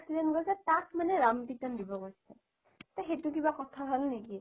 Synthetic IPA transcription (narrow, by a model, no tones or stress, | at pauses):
ksidenɡojsɛtak̚ʰmanɛɹampitɔndibɔɡojsɛ | t̪axetuk̬ibakɔtʰaɦalneki